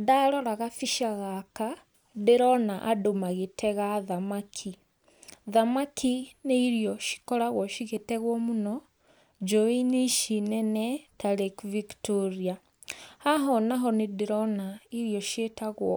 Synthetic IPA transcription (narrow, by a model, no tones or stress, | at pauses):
adaɾɔɾaɣafiʃaɣaka | deɾɔnaʔadomaɣetʰɛɣaðamakʰi | ðamakʰineiɾiɔʃi̥kɔɾaɣwɔʃiɣetɛɣwɔmunɔ | d͡ʒɔiniʃinɛnɛtaɾekviktoɾia | haɦɔnaɦɔnedeɾɔnaiɾijɔʃetaɣwɔ